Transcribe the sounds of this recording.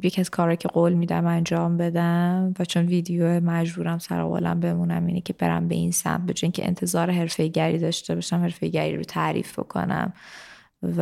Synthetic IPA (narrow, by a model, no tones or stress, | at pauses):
jecʰæz̥kʰɒːɾɒːjcʰeɡoːlmiːd̪æ̰mænd͡ʒɒːmbe̞d̪æmvæt͡ʃʰo̞nviːd̪ejomæd͡ʒbuːɾæmsæ̰ɾo̰ɣo̰læ̰mbe̞munæmiːnecʲʰe̞be̞ɾæ̰mbe̞̰iːnsæ̰mt̪̚be̞d͡ʒɒːjiŋcʰeʔḛnt̪ʰe̞zɒːɾeɦe̞ɾfejɟæɾiːd̪ɒʃt̪ebɒːʃæmhe̞ɾfejɟæɾḭːɾot̪ʰæɾḭːfb̥o̞̰kʰo̞̰næ̰m | v